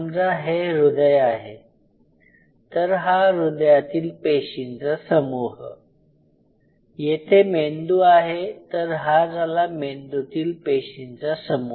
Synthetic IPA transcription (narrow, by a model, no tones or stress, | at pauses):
md͡zaɦeɾud̪əjaɦḛ | t̪əɾɦaɾud̪jat̪iːlpeɕint͡sasəmuɦ | jet̪ʰemend̪uːaɦet̪əɾɦad͡zalamend̪ut̪iːlpeɕint͡sasəmu